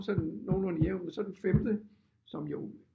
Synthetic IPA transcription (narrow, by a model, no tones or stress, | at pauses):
sedno̝ːlonijeʊ̰nmensɒ̽d̥ufemd̥ə | sɒ̽mjo